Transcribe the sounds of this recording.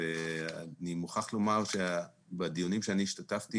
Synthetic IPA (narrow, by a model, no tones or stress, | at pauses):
ea̰nimuχaχlomaʁʃe | badijunimʃeaniːʃtataft̪i